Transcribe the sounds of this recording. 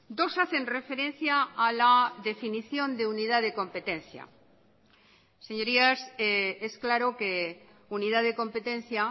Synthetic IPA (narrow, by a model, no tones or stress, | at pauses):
d̪o̞saθe̞nre̞fe̞ɾẽ̞n̟θjaːlaðe̞finiθjo̞nd̪e̞uniðaðe̞ko̞mpe̞t̪e̞nθja̰ | se̞ɲo̞ɾiasee̞sklaɾo̞ke̞ | uniðaðeko̞mpe̞t̪ẽ̞n̟θja